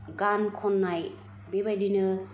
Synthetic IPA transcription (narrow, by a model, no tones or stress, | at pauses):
ɡankʰɔnːaj | bebajdinɯ